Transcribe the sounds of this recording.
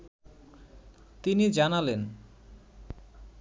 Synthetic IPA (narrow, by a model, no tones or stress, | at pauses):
t̪inid͡ʑanalen